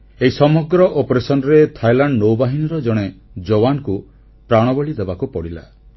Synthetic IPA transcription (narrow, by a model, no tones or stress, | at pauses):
eɦisɔmɔɡɾɔʔopɔɾesɔnɔɾet̪ʰajlaɳɖnowbaɦiniɾɔd͡ʒɔɽ̃e | d͡ʒowanku | pɾaɽ̃ɔbɔɭid̪ebakupɔɽila̰